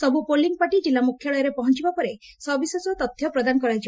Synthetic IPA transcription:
sɔbupoliŋpaʈid͡ʒilamukʰːjɔɭɔjɔɾepɔɦɔnt͡ʃibapɔɾe | sɔbisesɔt̪ɔt̪ʰːjɔpɾɔd̪anɔkɔɾajd͡ʒib

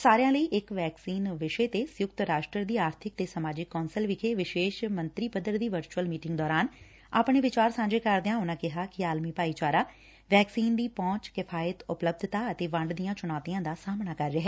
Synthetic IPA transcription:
saːɾejãːləiːʔɪkʋɛːksiːnʋɪʃeːt̪eːsjʊkt̪ɾaːʃʈɾəd̪iːaːɾt̪ʰɪk̚t̪eːsəmaːd͡ʒɪkːɔːnsəlʋɪkʰeːʋɪʃeːʃmənt̪ɾiːpəd̪əɾd̪iːʋəɾt͡ʃuəlmiːʈɪ̃ŋɡd̪ɔːɾaːn | a̰ːpɳeːʋɪt͡ʃaːɾsãːɲd͡ʒeːkəɾd̪ejãːʊnãːkɪɦaːkɪaːlmiːpaːiːt͡ʃaːɾaː | ʋɛːksiːnd̪iːpɔ̃ːt͡ʃkɪpʰaːət̪ʊpləb̚d̪ʱt̪aːət̪eːʋə̃ɳɖd̪ijãːt͡ʃʊnɔːt̪ijãːd̪aːsaːmnaːkəɾɾɛɦɛː

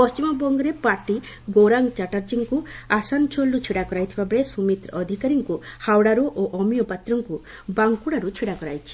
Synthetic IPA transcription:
pɔst͡ʃimɔbɔŋɡɔɾepaʈi | ɡoɾaŋɡt͡ʃaʈaɾd͡ʒiŋkuasant͡ʃʰolːut͡ʃʰiɽakɔɾajt̪ʰibabɽesumit̪ɾɔɔd̪ʱikaɾiŋkuhawɽaɾuʔoʔɔmijɔpat̪ɾɔŋku | baŋkuɽaɾut͡ʃʰiɽakɔɾajt͡ʃʰi̥

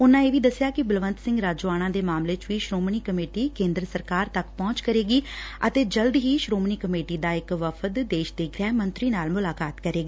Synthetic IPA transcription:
ʊnːãːeːʋiːd̪əsːɪjaːkɪbɪlʋənt̪sɪ̃ŋɡɾaːd͡ʒoːaːñãːd̪eːmaːmleːt͡ʃʋiːʃɾoːmniːkəmeːʈiːkẽːnd̪ɾəsəɾkaːɾt̪əkpɔ̃ːt͡ʃkəɾeːɡiːət̪eːd͡ʒəld̪ɦiːʃɾoːmniːkəmeːʈiːd̪aːɪkʋəpʰət̪d̪eːʃd̪eːɡɾɛːmənt̪ɾiːnaːlmʊlaːkaːt̪kəɾeːɡaː

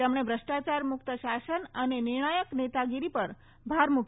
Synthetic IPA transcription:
emɽ̃ebʱɾəʂʈat͡ɕaɾmuk̚t̪əɕasənəneniɾɳ̃ajəknet̪aɡiɾipəɾ | bʱaɾmuk

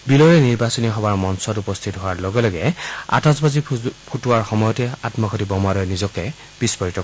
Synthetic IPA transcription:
bilɔɹɛniɹbasɔniɦɔwaɹmɔnsɔtupɔst̪ʰitɦɔaɹlɔɡɛlɔɡɛa̰tɔzbazipʰutʊwaɹxɔmɔjɔtɛatmɔkʰɔtibɔmaɾɔjnizɔkɛ | b̥ispɔɹitɔ

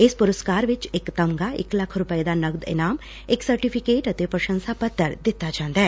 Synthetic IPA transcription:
ɪspʊɾəskaːɾʋɪt͡ʃɪkt̪ɐmɡaɪ̰klɐkʰɾʊpəjd̪anɐɡd̪ɪ̰naːm | ɪksɐɾʈipʰikeːʈɐt̪epɾəʃə̃nsapɐt̪ːəɾd̪ɪt̪ːad͡ʒãːnd̪aɦɛː

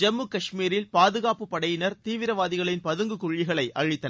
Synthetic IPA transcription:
d͡ʒɛmːɯkɐʂmiːɾɪlpaːðɯɣaːpɯpːɐɽɐjɪnɐɾt̪iːʋɪɾɐʋaːðɪɣɐɭɪnpɐðɯŋɡɯkʊɻːɪɣɐɭɐɪʔʔɐɻɪt̪ːɐ

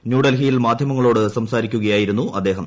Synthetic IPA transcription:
njuːɽɐlɦijilmaːd̪ʱjɐmɐŋːɐɭo̞ːɽɨsɐmsaːɾikʲːuɣɐjaːjiɾunːuʔɐd̪ːe̞ːɦɐm

